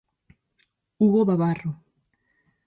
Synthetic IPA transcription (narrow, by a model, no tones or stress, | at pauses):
uɣoβaβaro